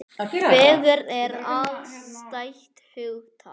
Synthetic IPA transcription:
vɛːɣʏɾɛɾavst̪ajht̪hʏɣt̪ʰa̰

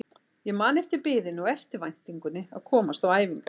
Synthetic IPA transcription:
jɛɣmaːnɪft̪ɪpɪːðɪnɔwɛft̪ɪɾvajn̥t̪iŋkʏnɪa̰ðkʰɔːmast̪awaːjviŋka

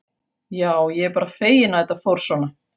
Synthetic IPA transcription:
jaːwjɛɛɾpaːɾafeːjɪnaðɛt̪ːafowɾ̥svɔna

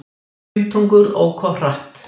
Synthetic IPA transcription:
lt̪ʰuŋkʏɾɔ̰wkʰɔr̥aht̪

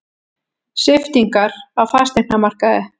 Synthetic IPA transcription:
sɪft̪iŋkaɾawfḁst̪en̥amar̥kaðɪ

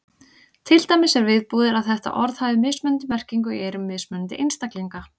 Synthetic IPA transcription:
t̪ʰɪlt̪ajmɪsːɛɾvɪðpuːðɪɾaðθɛht̪a̰ʔɔɾð̥hajvɪmɪːsmœnt̪ɪmɛr̥ciŋkʏḭejɾʏmːɪsmʏnt̪ɪ̰ʔɪnst̪akliŋka

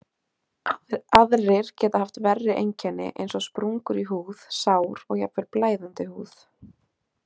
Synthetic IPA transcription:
aðrɪɾ̥cɛːt̪ahaft̪vɛrːɪʔejɲcɛnːɪ̰ʔḛjnsɔspɾuŋkʏɾiɦuːð̥saːwɾɔɣja̰pvɪɾplaːjðant̪ɪhuːð

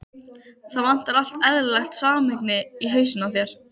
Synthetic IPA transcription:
θavan̥t̪aɾal̥t̪ɛðɾlɛxt̪saːmɪknɪiɦœɥsʏnaθjɛɾ̥

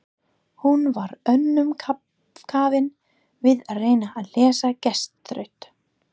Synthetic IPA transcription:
hunvaɾœnːʏmkʰa | kʰaːvɪn | vɪðaðreːjnaʔːðlɛːsacɛst̪ɾœ̰ɥht̪

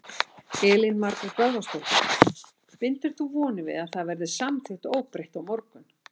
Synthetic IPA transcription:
ɛːlɪnmaɾkaɾkaðast̪owht̪ʏn | pɪnt̪ɪɾ̥θuvɔːnɪvɪ̰ðaðθaðvɛɾðɪsamθʰɪht̪oːwpɾejht̪awmɔɾkʏn

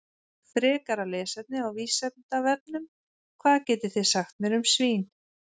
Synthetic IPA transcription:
fɾɛːkaɾalɛːsɛt̪̚nɪawviːsɛt̪nt̪avɛt̪̚nʏm | kʰvaːðcɛːjt̪ɪθɪðsaxt̪mɛɾʏmsviːn

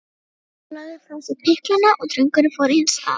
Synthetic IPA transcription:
naðɪfɾawsɪpʰɪhklanaʔɔɣt̪ʰɾʏŋkʏɾnɪfɔɾɪɪnsa̰

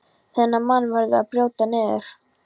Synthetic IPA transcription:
θɛnːamanːvaɾðɪaðpɾjoːwt̪anɛːðʏɾ̥

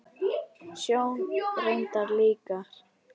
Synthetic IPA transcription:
sjownrejnt̪aɾliːkaɾ

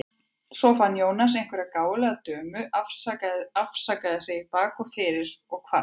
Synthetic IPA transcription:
sɔfanːjoːwnas̬ejŋ̥kvɛɾakaːwlɛɣat̪œːmʏafafsaːkaðɪsɛɣipaːkɔfɪːɾɪɾɔɣkʰva

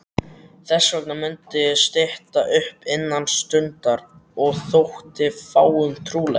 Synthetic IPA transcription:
θɛsːvœknamʏnt̪ɪst̪ɪht̪aʔʏhpɪnːanst̪ʏnt̪aɾɔɣθowht̪ɪfaːwʏmt̪ʰɾuːlɛ̰

